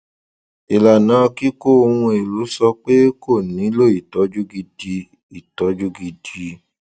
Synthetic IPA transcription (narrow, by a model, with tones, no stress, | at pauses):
i˨la˨nã˨˦˧ki˦ko˦˨˧hũ˧e˨lu˨˦sɔ˧k͡pe˦ko˦˨nĩ˨˦lo˦˨i˨tɔ˨˦d͡ʒu˦ɡi˧di˧ | i˨tɔ˨˦d͡ʒu˦ɡi˧di˧